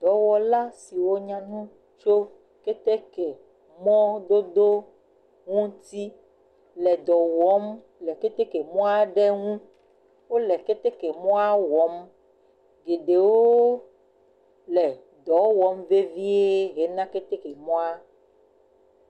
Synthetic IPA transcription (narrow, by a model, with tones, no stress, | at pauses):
d̪̥ɔ˨˦wɔ˨la˦si˨wo˦ɲã˦nũ˦ | t͡ʃo˦ | ke˦t̪e˦ke˨ | mɔ̃˦d̪o˦d̪o˦ | ŋũ˦t̪i˦ | lɛ˨d̪ɔ˨wɔ˨˦m | lɛ˨ke˦t̪e˦ke˨mɔ̃˦a˦ɖe˦ŋũ˦ | wo˦lɛ˨ke˦t̪e˦ke˨mɔ̃˦a˦wɔ˨˦m | ɡe˨ɖe˨woo˦ | lɛ˨ | d̪ɔ˨wɔ˨˦mve˦vi˦e˦ɦe˨nã˦ke˦t̪e˦ke˨mɔ̃˦a˦